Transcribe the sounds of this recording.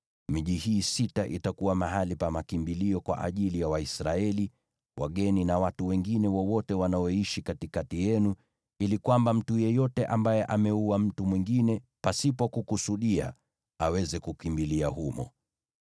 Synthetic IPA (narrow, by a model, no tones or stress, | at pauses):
miʄihiːsitaʔḭtakuwamaɦalipamakimbiliɔkwa̰ʔa̰ʄilijawaisɾaɛli | wa̰ɠɛninawatuwɛŋɡinɛwɔwɔtɛwanaɔiʃikatikatijɛnu | ilikwambam̩tujɛjɔtɛʔambajɛʔamɛuwam̩tumwiŋɡinɛpasipɔkukusuɗia̰ | awɛzɛkukimbiliahumɔ̰